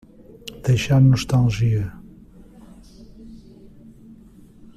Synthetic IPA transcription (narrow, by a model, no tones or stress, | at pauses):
d̪̥ejʃamnuʃt̪ɐ̃lˠʒiɐ